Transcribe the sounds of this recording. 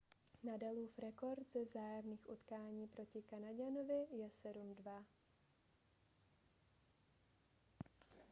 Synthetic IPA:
nadaluːfɾɛko̞ɾt̪zɛvzaːjamniːxʔut̪kaːɲiːpɾo̞cɪkanaɟanovɪjɛsɛdumdva

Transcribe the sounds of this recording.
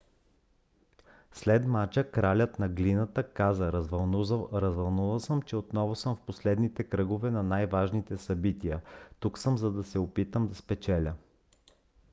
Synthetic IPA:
slɛd̪mat͡ʃəkɾalʲət̪nɐɡlinət̪əkazəvɐlˠɾɐzvɐlˠnuvəlˠsəmt͡ʃɛot̪nɔvʊsɤmfposlɛd̪nit̪ɛkɾɤɡʊvɛnɐnajvaʒnit̪ɛsɐbit̪ijət̪uksɤmzɐd̪ɐsɛopit̪əmd̪ɐspɛt͡ʃɛlʲə

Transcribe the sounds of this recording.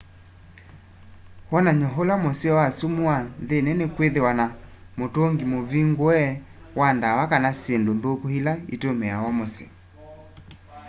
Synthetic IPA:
wɔnaɲɔɦolamoseɔasumuaðenɛnekweðewanamotoŋɡimoviŋɡoɛ | wandawakanasendoðokohilaḭtomɛawɔmosḛ

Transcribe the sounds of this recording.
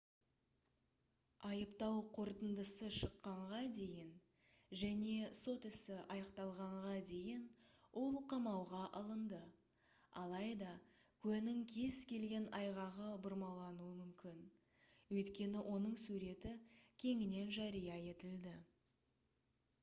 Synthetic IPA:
ɑjəpt̪ɑwqʰo̞ɾt̪ənd̪əsəʃəqːɑɴʁɑd̪e̞jɪn | ʒæne̞so̞t̪ɪsɪʔɑjɑqt̪ɑlˠʁɑɴʁɑd̪e̞jɪnwʔo̞lˠqʰɑmɑwʁɑʔɑlˠənd̪ə | ɑlˠɑjd̪ɑ | kʲʰɵnɪŋkʲʰe̞z̥kʲʰe̞lɡʲe̞nɑjʁɑʁəbʊɾmɑlˠɑnuəmʏmkʲɪn | wɵjt̪kʲe̞nɪʔo̞nəɴsuɾe̞t̪ɪkʲʰe̞ŋɪne̞nʒɑɾijɑe̞t̪ɪld̪ɪ

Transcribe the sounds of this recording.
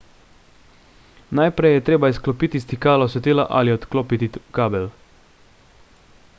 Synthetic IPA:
najpɾɛjɛt̪ɾeːbaisklɔpiːt̪ist̪ikaːlɔsɛt̪iːlaʔa̰liɔt̪kloːpit̪ikaːbɛl

